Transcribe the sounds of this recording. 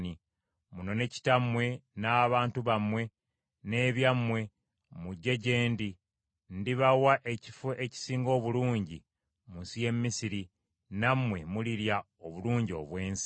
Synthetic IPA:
ni | muno̞ne̞ci̥tamwe̞naːβaːntuβamwe̞ | ne̞ːβjamwe̞ | muɟːe̞ɟe̞ːndi | ndiβawaʔe̞ci̥fuʔeci̥siːŋɡo̞ːβuluːɲɟi | munsije̞mːisiɾi | namwe̞muliɾja | oβuluːɲɟio̞̰βwe̞ːns

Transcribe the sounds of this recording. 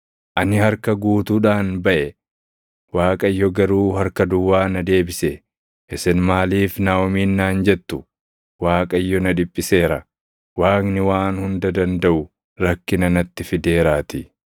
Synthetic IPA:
ʔɐnɪhɐɾkɐɡuːt̪uːᶑaːnbɐʔɛ | waːkʼɐjːɔɡɐɾuːɦɐɾkɐd̪ʊwːaːnɐd̪e̞ːbɪsɛ | ʔɪsɪnmaːliːfnaːwɔmiːnːaːnd͡ʒɛt̪ːʊ | waːkʼɐjːɔnɐᶑɪpʼːɪse̞ːɾɐ | waːknɪwaːnhʊnd̪ɐd̪ɐnd̪ɐʔʊ | ɾɐkːɪnɐnɐt̪ːɪfɪd̪e̞ːɾaːt̪ɪ

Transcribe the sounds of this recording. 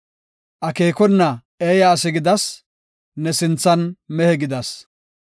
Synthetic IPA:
ʔɐke̞ːkɔnːɐ | eːjɐːs̬ɪɡɪd̪ɐs | nɛsɪnt͡sːɐnmɛhɛɡɪd̪ɐs

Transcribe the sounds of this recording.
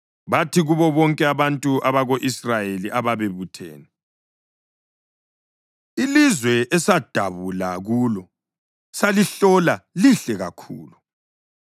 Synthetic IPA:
βatʰiɣuβɔβɔŋkʼɛaβantʼuʔaβaɣoʔisrajeliʔaβaβeβutʰḛːnɛ | ilizwɛɛsad̥ʱaβulaɣuːlɔ | saliɬɔlaliɬɛɣa̰kʰṵːlu

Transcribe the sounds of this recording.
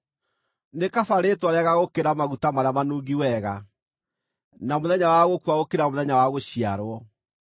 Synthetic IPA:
nekafaɾetwaɾaɣaɣokeɾamaɣutamaɾeamanuːɡiwɛɣa | namoðɛɲawaɣokwaɣokeɾamoðɛɲawaɣoɕiaɾwɔ

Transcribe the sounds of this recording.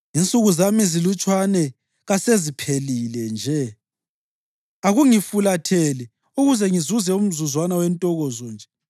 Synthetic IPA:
int͡sʼuɣuzamizilut͡ʃʼwanɛ | ɣasezipʰelilɛnd͡ʒʱɛ | aɣuŋifulatʰɛli | uɣuzɛŋizuzɛum̩zuzwanawɛntʼɔɣɔzɔnd͡ʒʱɛ

